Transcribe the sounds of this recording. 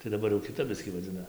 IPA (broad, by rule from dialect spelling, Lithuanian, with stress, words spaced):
tɐɪ dɐˈbɐr jɛʊ kʲɪˈtɐp ˈbʲɪsʲkʲiː ʋɐˈd͡zʲɪnɐ